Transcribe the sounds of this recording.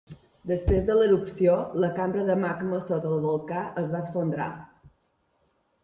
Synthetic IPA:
d̪əspɾezðələɾupsioləkambɾəðəmaɡməsot̪əlˠβulˠkaʔəzβasfond̪ɾa̰

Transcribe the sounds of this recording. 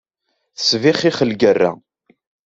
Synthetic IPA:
θə̥sviχiχəlɡərːæ̰

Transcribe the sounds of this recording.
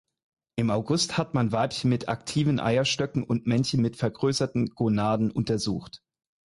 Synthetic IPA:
ʔɪmaʊɡʊsthatmanvaɪpçənmɪtʰa̰ktʰiːvənʔa̰ɪɐʃtœkŋ̩ʊntmɛnçən̩mɪtfɛɐɡʁøːsɐtn̩ɡ̥ʁonaːdn̩ʔʊntɐzṵːxt

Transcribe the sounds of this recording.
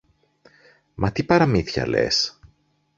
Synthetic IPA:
mʔɐt̪ipɐɾɐmiθçɐ̰le̞̰s

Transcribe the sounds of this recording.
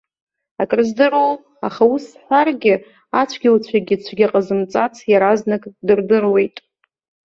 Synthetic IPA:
akʼrɨzdɨrow | a̰χausħʷarɡʲɪ | at͡ɕʷʰɡʲɪwt͡ɕʷʰaɡʲɪt͡ɕʷʰaɡʲaqʼazɨmt͡sʼat͡sʰjaɾaznɨkʼdɨrdɨrwe̞jtʼ

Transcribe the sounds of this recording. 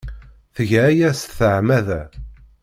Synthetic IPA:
θəʝæːjæsθəʕmæðæ

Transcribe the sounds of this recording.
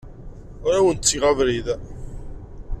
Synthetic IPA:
ʊɾawənt̪t͡sːiʁavɾið

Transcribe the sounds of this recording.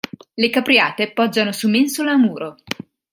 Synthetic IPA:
lekapɾiaːt̪epɔd͡ʒːanosumensolaːmuːɾo

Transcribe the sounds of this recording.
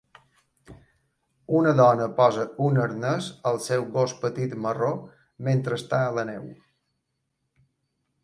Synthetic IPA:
unəðɔnəpɔzəunəɾnəzəlˠsɛwɣospət̪it̪məro | ment̪ɾəːst̪aələnɛw

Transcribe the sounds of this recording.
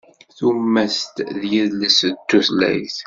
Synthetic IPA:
θumːæst̪ðjiðləst̪ːuθlæ̰jθ

